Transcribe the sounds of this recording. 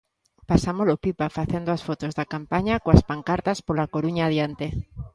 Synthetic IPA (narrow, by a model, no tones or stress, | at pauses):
pasamolopipafaθend̪oasfot̪ozðakampaɲakoaspaŋkaɾt̪aspolakoɾuɲaːð̞jant̪e